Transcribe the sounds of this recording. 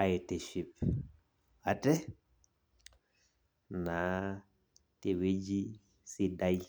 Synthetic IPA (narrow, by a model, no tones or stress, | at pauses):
ajteʃip | atɛ | na | tewed͡ʒi | sidaj